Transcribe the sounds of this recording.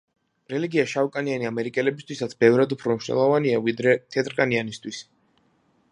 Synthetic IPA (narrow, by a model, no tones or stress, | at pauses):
ɾɛliɡiaʃaukʼanianiamɛɾikʼɛlɛbist̪ʰwisat̪sbɛvɾad̪upʰɾɔmniʃwnɛ̰lˠɔvaniavid̪ɾɛt̪ʰɛt̪ʼɾkʼanianist̪ʰwis